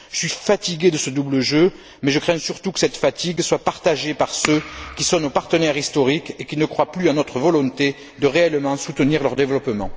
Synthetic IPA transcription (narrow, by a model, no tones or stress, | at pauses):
ʒəsɥifat̪iɡed̪əsəd̪ubləʒø | mɛʒəkχɛ̃syʁt̪ukə̥sɛt̪əfat̪iɡswapaʁt̪aʒepaʁsøkʲisɔ̃nopaʁt̪ənɛʁist̪ɔʁikekʲinəkχwaplyɑ̃nɔt̪χəvɔlɔ̃t̪e | d̪əʁeɛlmɑ̃sut̪əniʁlœʁd̪evəlɔpəmɑ̃